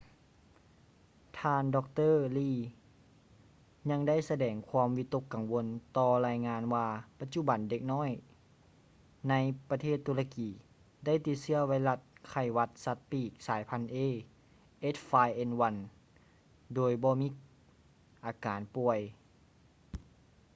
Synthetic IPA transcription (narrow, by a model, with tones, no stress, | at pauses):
t̪ʰaː˧ndɔː˧k̚t̪ɤː˥˨liː˧˩ | ɲa˧ŋda˥˩˨jsa˧dɛː˨˩ŋkʰwaː˧˥mwi˧t̪ːu˧˥kːa˨˩ŋwo˧nt̪ɔː˧laː˧jŋaː˧˥nwaː˧pa˧t̪̚t͡ɕu˧˨ba˨˩nde˧k̚nɔː˥˨j | na˧jpa˧t̪ʰeː˥˩t̪ʰːuː˧la˧kiː˨˩˦ | da˥˩jt̪i˧t̪̚sɯ˧˩ɐwa˧˥jla˧t̪̚kʰa˧˩jwa˧t̪̚sa˧t̪̚piː˧˩k̚saː˨˦jpʰa˧˥nʔeː˧˥˨ | ʔe˦˥t̪̚faː˧jʔe˧nwa˧˥n | doː˨˩jbɔː˧˦miː˧˥ | ʔaː˨˩kaː˨˦npu˧˩əj